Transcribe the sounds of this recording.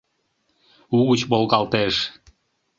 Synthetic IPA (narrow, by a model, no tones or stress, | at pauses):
uɣut͡ɕβolˠɣɑlˠt̪eʃ